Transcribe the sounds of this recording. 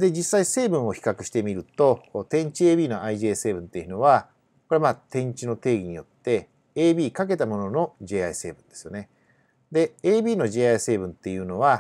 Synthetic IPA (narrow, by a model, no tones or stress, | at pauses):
d̪e̞d͡ʑisːaise̞ːbɯ̟̃ɰ̃o̞çi̥kakɯ̟ɕi̥t̪e̞mʲiɾɯ̟t̪o̞t̪ẽ̞ɲ̟t͡ɕieːbʲiːno̞ʔaiʑeːse̞ːbɯ̟̃nt̪e̞jiɯ̟no̞βa | ko̞ɾemat̪ẽ̞ɲ̟t͡ɕino̞t̪e̞ːɡʲiɲ̟ijo̞t̪ːe̞ | eːbʲiːkak̬e̞t̪amo̞nono̞d͡ʑe̞ːaise̞ːbɯ̟̃nd̪̥e̞sɨjo̞̰ne̞ | d̪e̞eːbʲiːno̞ʑe̞ːaise̞ːbɯ̟̃nt̪ːe̞jɯ̟ːno̞β̞a